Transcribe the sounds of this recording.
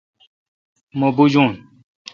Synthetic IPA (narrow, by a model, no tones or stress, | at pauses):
mobud͡ʑuːn